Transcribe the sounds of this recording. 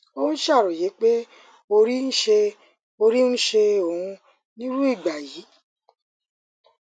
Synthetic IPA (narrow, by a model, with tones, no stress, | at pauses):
o˦ũ˦ʃa˦˨ɾɔ˨je˨˦k͡pe˦ | o˧ɾi˦n̩˦ʃe˧ | o˧ɾi˦n̩˦ʃe˧o˨ũ˧ | nĩ˦ɾu˦i˦˨ɡ͡ba˨ji˨˦